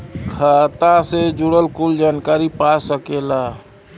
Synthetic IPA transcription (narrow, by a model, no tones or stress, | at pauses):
kʰat̪ased͡ʒuɽəlkuld͡ʒankaɾipasəkela